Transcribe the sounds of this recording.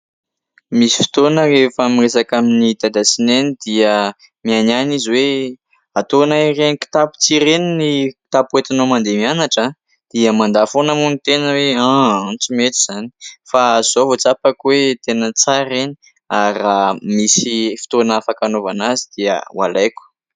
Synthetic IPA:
misi̥fi̥t̪onərefamiresakaminit̪ad̪asinenid̪̥iə | miananiziwe | at̪onaireniki̥t̪apu̥t͡siɾeniniki̥t̪apwet̪inomand̪emianaʈ͡ʂa | d̪̥iəmand̪afonamunit̪enəweaant͡simet̪iz̥ani̥faz̥ovot͡sapakwet̪enət͡saɾeni | aɾamisifi̥t̪onafakanovanazid̪iə̰wa̰lajkʲu̥

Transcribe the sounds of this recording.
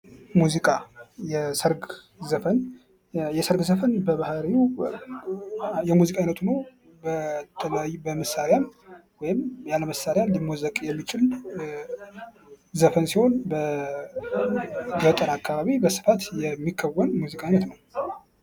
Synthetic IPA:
muzikʼajɛsəɾɡ | zəfən | jɛsəɾɡzəfənbəβahaɾiu | jɛmuzikʼajinət̪ʰunəw | bət̪ʰələjajbəməsːaɾɪjamwɔjɪmjaləməsːaɾjanlimwɔzəkʼjɛmːit͡ʃʼɪl | zəfənsiho̞nbə | ɡət̪ʼəɾakʰːaβaβibəsɨ̥fat̪jɛmːikʰːəwənmuzikʼaijnət̪nəw

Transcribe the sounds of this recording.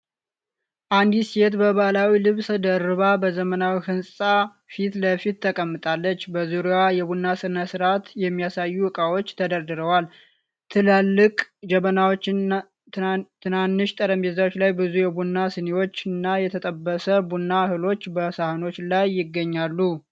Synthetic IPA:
ʔand̪iset̪bəβalawilɨβsd̪əɾɨβabəzəmənawihɨnsʼa | fit̪ləfit̪ʰːəkʼəmːɨt̪ʼalːət͡ʃːbəzuɾiajɛbunːasɨnasɨɾat̪jɛmːijasajːuɨkʼawo̞t͡ʃːt̪ʰəd̪əɾd̪ɨɾəwal | t̪ʰɨlalːɨkʼd͡ʒəmənawot͡ʃː | t̪ʰɨnanːɨʃt̪ʼəɾəmbezawot͡ʃːlajbɨzujɛbunːasɨnewo̞t͡ʃːɨnːajɛt̪ʰət̪ʼəbːəsəbunːahɨlo̞t͡ʃːbəsahɨno̞t͡ʃːlajːɪɡːəɲːalːu

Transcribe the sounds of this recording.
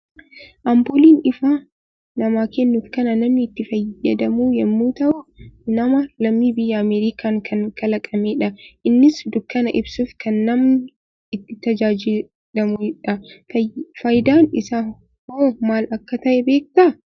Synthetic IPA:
ʔɐmboːliːnɪfaː | nɐmaːkeːnːuːfkɐnɐnɐmnɪːt̪ːɪfɐjːɐd̪ɐmuːjɛmːuːt̪ɐʔʊnɐmɐlɐmːibɪjːɐːmeːɾiːkaːŋkʰɐŋkɐlɐkʼɐmeːᶑɐʔɪnːɪsd̪ʊkːɐnɐʔɪbsuːfkɐnːɐm | ɪt̪ːɪt̪ːɐd͡ʒaːd͡ʒɪ | lɐmʊᶑɐ | fɐjd̪aːnɪsaː | hoːmaːlɐkːɐt̪ɐʔɛbe̞ːk̚t̪ɐ

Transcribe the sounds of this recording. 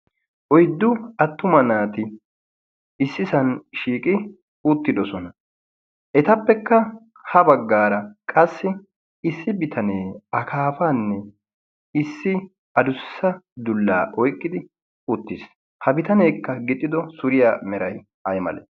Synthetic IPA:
ʔɔjd̪ːʊɐt̪ːʊmɐnaːt̪ɪ | ɪsːɪsɐnʃiːkʼɪ | ʊt̪ːɪd̪ɔsɔnɐ | ʔɛt̪ɐpːɛkːɐ | hɐbɐɡːaːɾɐkʼɐsːɪ | ɪsːɪbɪt̪ʰɐneːɐkʰaːfaːnːɛ | ɪsːɪ | ɐd̪ʊsːɐd̪ʊlːa̰ːʔɔjkʼːɪd̪ɪ | ʊt̪ːɪs | hɐbɪt̪ɐne̞ːkːɐɡɪt̪ʼːɪd̪ɔsʊɾɪjaːmɛɾɐj | ʔɐjmɐ̰lḛ

